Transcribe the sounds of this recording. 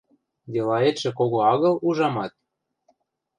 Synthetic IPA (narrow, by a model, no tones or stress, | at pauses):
d̪elɑet̪ʃĕkoɣoɑɣɤ̆luʒɑmɑt̪̚